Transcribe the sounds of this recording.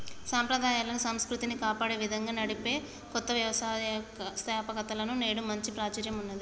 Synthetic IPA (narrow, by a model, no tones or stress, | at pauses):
saːmpɾɐd̪ʱaːjaːlɐnusɐmskɾut̪inikaːpaːɽe̞ːʋid̪ʱɐŋɡaːnɐɽipe̞ː | kɔt̪ːɐʋjɐʋɐsaːst̪aːpɐkɐt̪ɐlɐnune̞ːɽumɐɲt͡ʃipɾaːt͡ʃɐɾjɐmunːɐd̪i